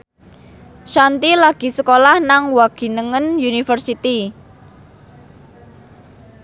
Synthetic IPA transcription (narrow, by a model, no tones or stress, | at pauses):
ʃant̪ilaɡ̥i̤səkolahnaŋwaɡ̥i̤nəŋənjunifərsit̪i